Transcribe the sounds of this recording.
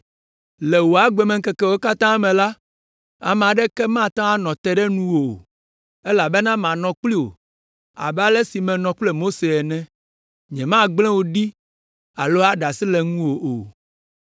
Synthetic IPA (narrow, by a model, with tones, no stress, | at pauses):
lɛ˨wo˨a˨ɡ͡bɛ˨mɛ̃˨ŋ̩˦kɛ˨kɛ˦wo˦ka˦t̪ã˦mɛ̃˨la˦ | a̰˨m˨a˨ɖɛ˦kɛ˦mã˦˨t̪ã˦a˦nɔ̃˨t̪ɛ˦ɖɛ˦nũ˦wo̰˨ | e˦la˨bɛ˦nã˦m˨ã˨nɔ̃˨k͡pli˦wo̰˨ | a̰˨ba˦lɛ˦si˨mɛ̃˨nɔ̃˨k͡plɛ˦mo˦se˨ɛ˨nɛ̃˦ | ɲɛ̃˨mã˦ɡ͡blɛ̃˦wo˨ɖi˦ | a̰˨lo˦a˦ɖa˨si˦lɛ˨ŋũ˦wo˨ʔo˨